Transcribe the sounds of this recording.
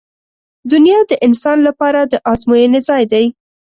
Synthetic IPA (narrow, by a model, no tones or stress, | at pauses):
d̪ʊnjɑd̪əʔɪnsɑnlapɑɾad̪əʔɑzmujənezɑjd̪aj